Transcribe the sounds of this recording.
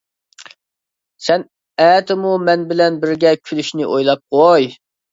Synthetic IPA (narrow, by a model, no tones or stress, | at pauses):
sɛn | ɛːt̪ʰɪmumɛnbɪlɛnbɪɾɡʲɛkʲʰylyʃnɪʔojlˠɑp̚qʰoj